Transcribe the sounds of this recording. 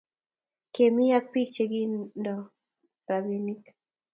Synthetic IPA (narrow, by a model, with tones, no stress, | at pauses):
ke˨mi˦ja˦k̚pi˦k̚t͡ʃe˨ɡi˦ndɔ˨ | ɾabi˨ni˦k